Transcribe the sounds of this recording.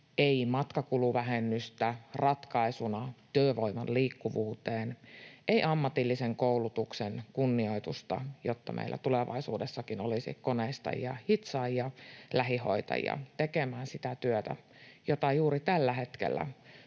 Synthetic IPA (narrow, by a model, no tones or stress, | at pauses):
ʔeimɑt̪kɑkuluʋæɦenːyst̪ærɑt̪kɑisunɑt̪yːʋoimɑnliːkːuʋuːt̪eːnʔeiʔɑmːɑt̪ilːiseŋkoulut̪uksenkunːio̞it̪ust̪ɑ̰jot̪ːɑmḛilʔæ̰t̪uleʋɑ̰isuːdesːɑkinolisḭkoneist̪ɑ̰jjɑ̰hit̪sɑjɑlæɦiho̞̰it̪ɑ̰jɑ̰t̪ekemæːnsit̪æt̪yøt̪æ̰ | jot̪ɑjuːɾit̪ælːæhe̞t̪kḛlːæ̰